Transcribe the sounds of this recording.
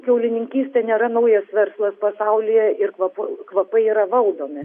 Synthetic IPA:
kʲɛʊlʲɪnʲɪŋʲkʲiːsʲt̪ʲɛnʲeːɾɐnɐʊjɛsʋʲɛɾslˠɐspɐsɐʊlʲɪjɛʔɪrkʋɐpʊkʋɐpɐɪiːɾɐʋɐlˠd̪oːmʲɪ

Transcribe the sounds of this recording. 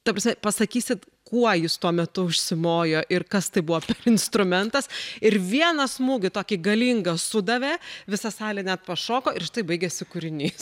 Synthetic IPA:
t̪ɐprɐsmʲɛpɐsɐkʲiːsʲɪt̪ | kuɔjɪst̪uɔmʲɛt̪ʊʊʃʲsʲɪmoːjoːʔɪrkɐst̪ɐɪbʊʋoːpʲɛrɪnst̪ɾʊmʲɛnt̪ɐsɪɾʋʲiɛnɐsmuːɡʲɪt̪oːkʲiɡɐlʲiːŋɡɐsʊd̪ɐʋʲeːʋʲɪsɐsɑːlʲɛnʲæt̪̚pɐʃoːkoːʔɪɾʃʲɪ̥t̪ɐɪbɐɪɡʲesʲɪkʊɾʲɪnʲiːs

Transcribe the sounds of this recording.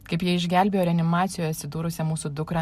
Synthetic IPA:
kɐɪpjiɛɪʒʲɡʲæˑlʲbʲeːjoːɾʲɛɐnʲɪmɑːt̪sʲɪjoːjɛɐt̪ʲsʲɪd̪uːɾʊsʲɛmuːsuːd̪ʊkɾɐ

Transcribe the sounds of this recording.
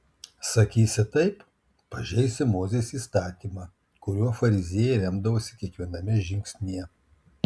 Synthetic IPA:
sɐkʲiːsʲɪt̪ɐɪp | pɐʒʲɛɪsʲɪmoːzʲeːsiːst̪ɑːt̪ʲiːmɑː | kʊɾʲuɔfɐɾʲɪzʲeːjɛɪɾʲɛmd̪ɐʋoːsʲɪkʲiɛkʋʲiɛnɐmʲɪʒʲɪŋksʲnʲiɛ

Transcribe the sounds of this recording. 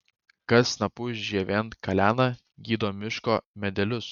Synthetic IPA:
kɐsnɐpʊʒʲiɛʋʲent̪kɐlʲæːnɐ | ɡʲiːd̪oːmʲɪʃkoːmʲɛd̪ʲɛlʲʊs

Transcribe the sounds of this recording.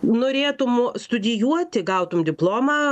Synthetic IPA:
noːɾʲeːt̪ʊmst̪ʊd̪ʲɪjuɔt̪ʲɪɡɐʊt̪ʊmd̪ʲɪplˠoːmɑ

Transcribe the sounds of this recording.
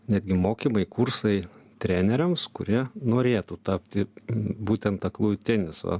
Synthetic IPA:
nʲæːd̪ʲɡʲɪmoːkʲimɐɪkursɐɪt̪ʲɾʲænʲɛɾʲɛmskʊɾʲiɛnoːɾʲeːt̪uːt̪ɑːpʲt̪ʲɪbuːt̪ʲɛnt̪ɐklˠuːjt̪ʲɛnʲɪso̰

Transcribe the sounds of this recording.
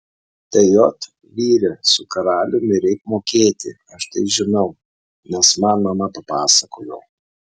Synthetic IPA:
t̪ʲɐjot̪ | ʋʲiːɾʲɛsʊkɐɾɑːlʲʊmʲɪɾʲɛɪkmoːkʲeːt̪ʲɪ | ɐʃt̪ɐɪʒʲɪnɐʊ | nʲɛsmɐnmɐmɐpɐpɑːsɐkoːjo̰ː

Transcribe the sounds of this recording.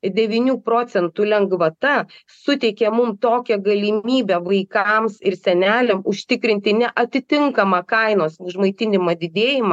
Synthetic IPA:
d̪ʲɛʋʲiːnʲuːpɾoːt͡s̪ʲɛnt̪uːlʲɛŋɡʋɐt̪ɐ | sʊt̪ʲɛɪkʲɛːmʊmt̪oːkʲɛɡɐlʲɪmʲiːbʲɛʋɐɪkmsɪɾsʲɛnʲæːlʲɛmʊʃʲt̪ʲɪkɾʲɪnʲt̪ʲɪnʲɛʔɐt̪ʲɪt̪ʲɪŋkɐmɑːkɐɪnoːsʊʒmɐɪt̪ʲɪnʲɪmɐd̪ʲɪd̪ʲeːjɪmɑː

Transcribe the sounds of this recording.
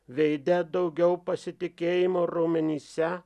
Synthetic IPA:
ʋʲɛɪd̪ʲɛd̪ɐʊɡʲɛʊpɐsʲɪt̪ʲɪkʲeːjɪmoːɾomʲɛnʲiːsʲɛ

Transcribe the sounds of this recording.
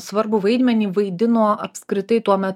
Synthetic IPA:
sʋɐɾbʊʋɐɪd̪ʲmʲɛnʲiːʋɐɪd̪ʲɪnoːɐpʲskɾʲɪt̪ɐɪt̪uɔmʲɛt̪

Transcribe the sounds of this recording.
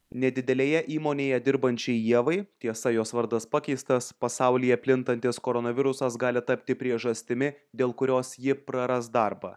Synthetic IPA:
nʲɛd̪ʲɪd̪ʲɛlʲeːjɛʔiːmoːnʲeːjɛd̪ʲɪɾbɐnʲt͡ʃʲɛɪjiɛʋɐɪt̪ʲiɛsɐjoːsʋɐɾd̪ɐspɑkʲɛɪst̪ɐspɐsɑʊlʲijɛpʲlʲɪnt̪ɐnʲt̪ʲɪskoɾɔnɐʋʲɪɾʊsɐsɡɑːlʲɪt̪ɐpʲt̪ʲɪpʲɾʲiɛʒɐsʲt̪ʲɪmʲɪd̪ʲeːlˠkʊɾʲoːsjɪpɾɐɾɐsd̪ɐɾbɑ̰ː

